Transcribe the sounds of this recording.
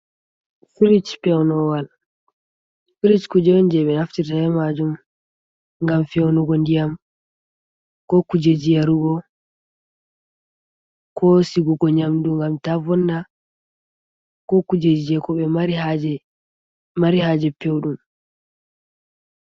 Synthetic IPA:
fiɾit͡ʃpɛwnɔwal | fiɾit͡ʃkud͡ʒɛwnd͡ʒɛɓɛnaftitajɛmad͡ʒum | ŋɡamfɛwnuɡɔndijam | kɔkud͡ʒed͡ʒijaɾuɡɔ | kʰɔsiɡuɡɔɲamduŋɡamtavɔnːa | kɔkud͡ʒed͡ʒijɛkɔɓɛaɾiaɛ | maɾihad͡ʒɛpewɗum

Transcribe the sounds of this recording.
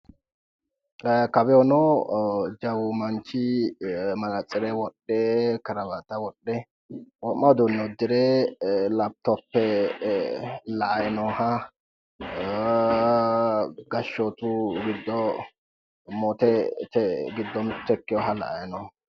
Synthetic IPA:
kɐbɛjɔno | d͡ʒɐwʊmɐnt͡ʃɪ | mɐlɐt͡sʼːɪɾɛwɔɗːɛkɐɾɐbat̪ɐwɔɗːɛ | wɔmːɐd̪ʊnːɔd̪ɪɾɛlɐb̚t̪ɔpːɛ | lɐʔɐjnɔhɐ | ɡɐʃːoːt̪uɡɪd̪ːɔ | mɔːt̪ɛt̪ɛɡɪd̪ːɔmɪt̪ːɛkːɪjɔɦɐlɐ̰ʔɐjnɔ

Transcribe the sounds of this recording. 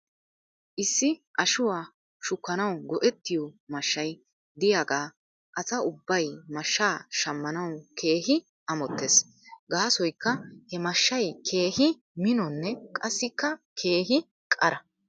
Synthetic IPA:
ʔɪsːɪʔɐʃʊwaː | ʃʊkːɐnɐwɡɔʔɛt̪ːɪjɔmɐʃːɐj | d̪ɪjaːɡaː | ʔɐsɐʊbːɐjmɐʃːaːʃɐmːɐnɐwkʰe̞ːɦɪ | ʔɐmɔt̪ːes | ɡaːsɔjkːɐhɛmɐʃːɐjkʰe̞ːhɪ | mɪnɔnːɛkʼɐsːɪkːɐkʰe̞ːɦɪ | kʼɐɾɐ

